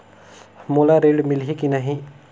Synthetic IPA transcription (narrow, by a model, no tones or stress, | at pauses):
molaɾeɖmilɦikinəɦĩ